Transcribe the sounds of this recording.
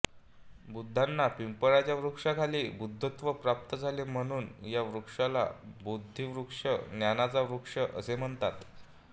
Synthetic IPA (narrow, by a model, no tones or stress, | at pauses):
bud̪ʱːanːapimpəɭat͡ɕjaʋɾukʂakʰaliːbud̪ʱːət̪ʋəpɾap̚t̪əd͡zʱalem̤əɽ̃uːnjaʋɾukʂala̰bud̪ʱːiʋɾukʂənjanat͡saʋɾukʂəʔəsem̤əɳt̪at̪